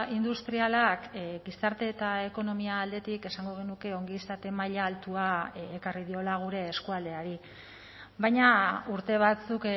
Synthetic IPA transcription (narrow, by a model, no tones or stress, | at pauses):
ind̪ust̪ɾialakɡisaɾt̪e̞t̪ae̞ko̞no̞miaːld̪e̞t̪ike̞saŋɡo̞ɣe̞nuke̞o̞ŋɡist̪at̪e̞majʎaːlt̪uaekarið̞io̞laɣ̞uɾe̞ːskuald̪e̞aɾi | βajɲauɾt̪e̞β̞at͡suk